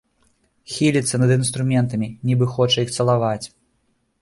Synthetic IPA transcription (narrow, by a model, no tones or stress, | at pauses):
xʲilʲit̪sːɐnɐd̪ɨnst̪ɾumʲɛnt̪ɐmʲinʲibɨxɔt͡ʂɐixt̪sɐlˠavat͡sʲ